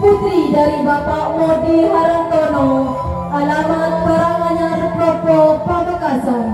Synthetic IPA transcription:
put̪ɾidaɾibapaʔmɔbilaɾakənɔ | alamanbaɾaŋmaɲarpɾɔpɾopəbəkasan

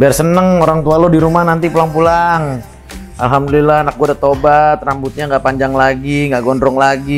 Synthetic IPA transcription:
biarsənəŋoɾaŋt̪ualodiɾumahnant̪ipulaŋpulaŋ | alɦamdulilahanak̚ɡwɔdat̪obat̪̚rambʊt̪̚ɲaŋɡaʔpaɲd͡ʒaŋlaɡiŋɡaʔɡɔndɾɔŋlaɡi

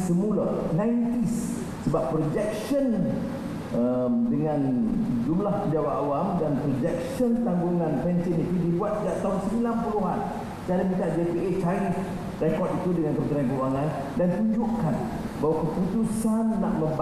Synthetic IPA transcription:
səmulanãint̪isː | əbapːɾod͡ʒɛk̚ʃən | əmdəŋãnd͡ʒumlahpəɲd͡ʒawaʔawamdanpɾod͡ʒɛkʃənt̪aŋɡuŋãnpɛɲt͡ʃɛnit̪udibuat̪̚d͡ʒaʔt̪aɦunsəmilanpuluɦa̰n | t͡ʃaɾimit̪aʔdepeet͡ʃaɾif | rɛkɔt̪it̪udəŋankəpət̪iɾankəanan | dant̪uɲd͡ʒuʔkan | bawakəput̪usanlaʔləba

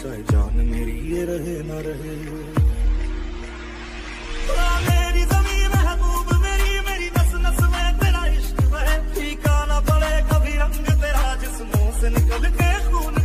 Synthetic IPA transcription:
t͡ʃaːid͡ʒa̰ːnmeːɾieːɾəɦeːnaːɾəɦeː | ɾaːmeːɾiːzəmĩːmeɦəbuːbmeːɾiːmeːɾiːd̪əsnəsʋeːt̪eːɾaːɦɪʃtʋəɦeːʈʰiːkaːnãːpəɽeːkəbʱiːɾə̃ŋɡt̪eːɾaːd͡ʒɪsmõːsenɪkəlkekʰuːn

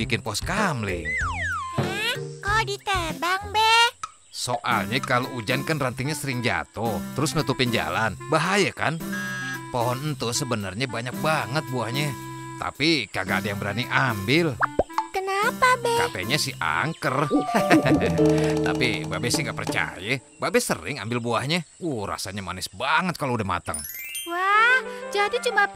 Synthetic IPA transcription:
bikɪnpɔskamlɪŋ | ɛkɔdit̪əbaŋbɛh | soʔa̰lɲakaloʔud͡ʒankanrant̪iŋɲasəɾɪŋd͡ʒa̰t̪ɔt̪əɾʊsnut̪upɪnd͡ʒa̰lanbaɦajaka̰n | poɦɔnənt̪usəbənarɲabaɲak̚baŋət̪̚buahɲa | t̪a̰pikaɡaːdajaŋbəɾaniʔambɪlkənapabɛapɛ̰ɲasɪhʔa̰ŋkər | t̪a̰pibabɛsɪhŋɡaʔpərt͡ʃa̰ja | babɛsərɪ̰ŋambɪlbuahɲauhra̰saɲama̰nɪsbaŋət̪̚kaloudahma̰t̪ə̰ŋwahd͡ʒadit͡ʃuma

